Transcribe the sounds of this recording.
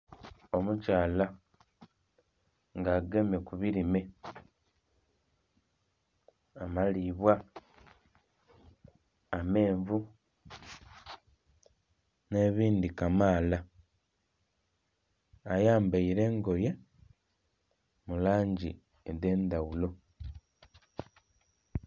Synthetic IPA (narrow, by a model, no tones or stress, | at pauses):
o̞mucaːla | ŋɡaːɡe̞mekuβiɾime̞ | amaliβwa | ame̞ːɱvu | ne̞βiːndikamaːla | ajaːmbaiɾe̞ːŋɡo̞je̞ | mulaːɲɟi | eðe̞ːnd̪awulo̞